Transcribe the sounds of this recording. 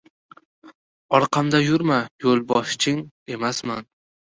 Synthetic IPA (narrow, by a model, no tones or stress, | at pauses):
ɒɾqʰɑmd̪ajʊɾmajolˠbɒʃt͡ʃʰɪŋ | e̞masman